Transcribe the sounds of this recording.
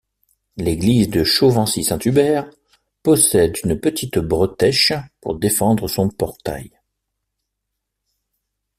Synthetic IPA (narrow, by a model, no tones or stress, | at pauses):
leɡlizd̪əʃovɑ̃sisɛ̃t̪ybɛʁ | pɔsɛd̪ynpət̪ʰit̪bʁət̪ɛʃpṵʁd̪efɑ̃d̪ʁəsɔ̃pɔʁt̪a̰j